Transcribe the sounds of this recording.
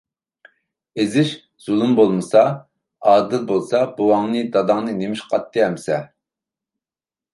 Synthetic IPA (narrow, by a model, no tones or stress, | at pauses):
ezɪʃ | z̥ulˠumbolˠmɨsɑ | ɑːd̪ɨlbolˠsɑbuwɑŋnɨd̪ɑd̪ɑŋnɨnemɪʃqʰɑt̪ːɨɦɛmsɛ